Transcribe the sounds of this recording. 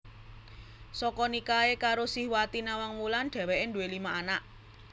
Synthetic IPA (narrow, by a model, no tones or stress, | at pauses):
sɔkɔnikaekaɾosihwat̪inawaŋmulanɖ̪̥ɛ̤wɛʔɪnd̪uwelimaʔanaʔ